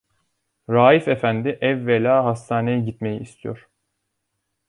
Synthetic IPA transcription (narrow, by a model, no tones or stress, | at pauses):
ɾaːjifefænd̪iʔɛvːelʲaːɦast̪ʰaːne̞jɛɟit̪me̞jiːst̪ʰijoɾ̥